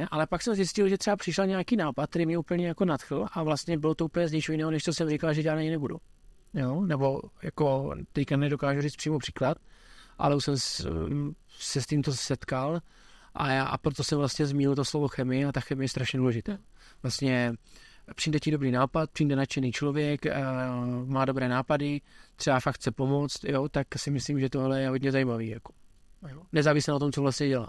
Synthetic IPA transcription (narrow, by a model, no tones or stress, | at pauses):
ɛʔalɛpaksɛmzjɪscɪlʒɛt̪r̥ɛbapr̥ɪʃaɲɛakiːnaːpat̪̚t̪ɛɾiːmɲɛuːpl̩ɲɛjakonat̪xl̩ʔavlast̪ɲɛbɪlot̪ouːplɲɛzɲɛt͡ʃojɪnɛːɦonɛʃt̪osɛmɾɪkalʒɛʒaːdnaɲɪnɛbudṵ | jonɛbo̞jakot̪ɛckanɛdo̞kaːʒuriːt͡s̪pr̥iːmopr̥i̥ːklat̪̚ʔa̰lɛusɛm | sɛst̪iːmt̪osɛt̪kal | ʔa̰jaːʔpɾot̪o̞sɛmvlast̪ɲɛzmiɲɪlt̪oslo̞vo̞xɛmɪjɪat̪axɛmɪjɛst̪ɾaʃɲɛduːlɛʒɪt̪ɛː | vlast̪ɲɛ | pr̥imdɛciːdo̞bɾiːnaːpat̪̚pr̥imdɛnat͡ʃɛniːt͡ʃlo̞vjɛk | maːdo̞bɾɛːnaːpadɪt̪r̥ɛbafakxt͡sɛpo̞mo̞t͡st̪jot̪aksɪmɪsliːmʒɛt̪oalɛjɛɦodɲɛzajimaviːjako̥ | nɛzaːvɪsɛnat̪o̞mt͡sovlast̪ɲɛɟɛla̰ː